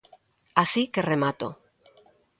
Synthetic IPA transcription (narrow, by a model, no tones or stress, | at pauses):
asike̞re̞mat̪o̰